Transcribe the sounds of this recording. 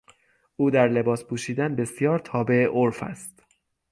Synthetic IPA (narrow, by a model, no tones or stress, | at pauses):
ʔuːd̪æɾle̞bɒːspʰuːʃiːd̪ænbe̞sjɒːɾt̪ʰɒːbe̞ʔoɾfæ̰st̪